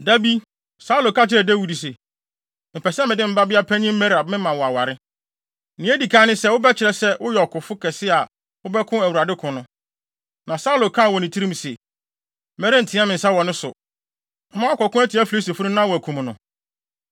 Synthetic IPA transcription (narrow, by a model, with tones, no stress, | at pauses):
da˦bi˦ | sa˦u˦lo˨kʰa˦t͡ɕʰɪ˦ɾɛ˨dæ˦wi˨di˨s̬ɛ˨ | m̩˨pʰɛ˨sɛ˦mɪ̃˨dɪ˦m̩˦ba˦bɪ˦a˦pʰæ˦ɲĩ˦m̩˦mɛ˦ɾa˨b̚mɪ̃˦mã˨wɔ˨a˨wa˨ɾɪ˦˨ | nɪ̃˦æ˦di˨kʰã˦nɪ̃˦sɛ˦wʊ˦bɛ˦t͡ɕʰɪ˨ɾɛ˨sɛ˦wʊ˦jɛ˨ɔ˨kʰʊ˨fʊ˦kʰɛ˨sɪ˦a˨ | wʊ˦bɛ˦kʰʊ̃˦æ˨wu˨ɾa˨dɪ˦kʰʊ̃˨nʊ̃˦ | nã˨sa˦u˦lo˨kʰã˦˨wɔ˨nɪ̃˨tʰi˦ɾĩ˦mse˨˦ | mɛ˦ɾe˦n̩˨tʰɪ̃˨˦a˦mɪ̃˨n̩˨sa˦wɔ˨nʊ̃˦sʊ˨ | m̩˦mã˦ɔ˦kɔ˨kʊ̃˦æ˦tʰɪ˨˦æ˦fu˨ɾe˦se˨fʊ˦ʊ̃˦nã˦wɔ˨æ˨kʰũ˨m˨nʊ̃˨